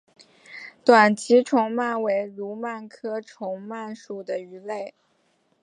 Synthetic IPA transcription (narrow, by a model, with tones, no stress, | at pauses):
t̪wa˨˩nt͡ɕʰi˧˥ʈ͡ʂʰʊ˧˥ŋma˥˩nwe˧˥ɪɻu˧˥ma˥˩nkʰɤ˥ʈ͡ʂʰʊ˧˥ŋma˥˩nʂu˨˩d̪ə˩y˧˥le˥˩ɪ